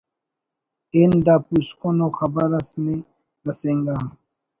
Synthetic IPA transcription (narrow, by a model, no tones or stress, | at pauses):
end̪aːpuskonoxɐbəɾɐsne | ɾɐsẽŋɡaː